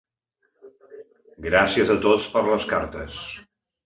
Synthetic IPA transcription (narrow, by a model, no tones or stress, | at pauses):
ɡɾasiəzət̪ot͡spəɾləskaɾt̪əs